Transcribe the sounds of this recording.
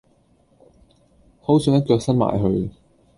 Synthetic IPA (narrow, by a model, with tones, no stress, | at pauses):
ho˨˥wsœː˨˧˥ŋɐ˥t̚kœː˧ksɐ˥n̚ma̰ː˨˩jɦɵ˧ɥ